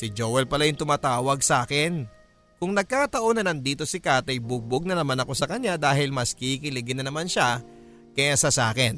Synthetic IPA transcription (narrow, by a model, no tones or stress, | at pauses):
sɪd͡ʒoːwɛlpɐlajʊŋt̪ʊmaːt̪aːwɐɡ̚sʔaːkɛn | kʊŋnɐɡ̚kat̪ɐʔo̞nɐnɐŋd̪iːt̪o̞sɪkaːt̪ɛjbʊɡ̚boɡ̚nɐnɐmanɐko̞sɐkɐɲɲad̪aːɦɪlmɐskɪikɪlɪɡɪnɐnɐmanʃa | kɐjaːsɐsaːkɛn